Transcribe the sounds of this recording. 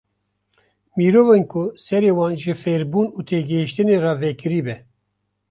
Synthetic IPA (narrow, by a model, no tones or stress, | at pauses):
miːɾoːvenkʰʊsɛɾeːwɑːnʒɨfɛɾbuːnuːt̪ʰeːɡɨhiʃt̪ɨneːrɑːvɛkɨɾiːbɛ